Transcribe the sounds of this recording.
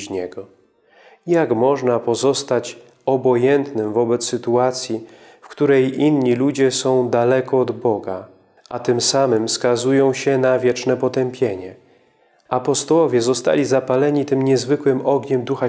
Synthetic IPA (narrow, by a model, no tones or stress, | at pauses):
ɲɛɡɔ | jakmɔʐnapɔzɔst̪at͡ɕ | ɔbɔjɛnt̪nɘmvɔbɛt̪sːɘt̪uat̪sʲji | fkt̪uɾɛjʔinɲːilud͡ʑɛsɔ̃w̃d̪alɛkɔːd̪bɔɡa̰ | ʔat̪ɘmsamɘmskazujɔ̃w̃ɕɛnavʲjɛt͡ʂnɛpɔt̪ɛmpʲjeɲɛ | apɔst̪ɔwɔvʲjɛzɔst̪a̰lʲizapalɛɲit̪ɘmɲɛzvɘkwɘmɔɡɲɛmd̪uxa